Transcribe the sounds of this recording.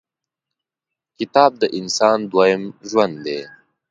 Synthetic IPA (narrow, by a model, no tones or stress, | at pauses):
kɪt̪ɑːb̚d̪əʔɪnsɑːnd̪wajɪmʒwand̪d̪e